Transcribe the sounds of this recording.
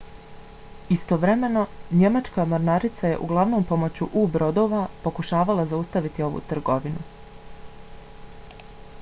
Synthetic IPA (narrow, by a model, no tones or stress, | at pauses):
ist̪o̞ʋɾe̞me̞no̞ɲe̞mat͡ʃkamoɾnaɾit̪saje̞̰ʔṵɡlˠaʋno̞ːmpo̞mo̞t͡ɕuʔuːbɾo̞d̪o̞ːʋapo̞kuʃaːʋalˠazaust̪aʋit̪io̞ʋṵt̪r̩ɡo̞ʋinu